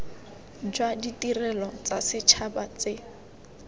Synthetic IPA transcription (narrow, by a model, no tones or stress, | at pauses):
d͡ʒwaditirɛlɔt͡sasɪt͡ʃʰabat͡sɪ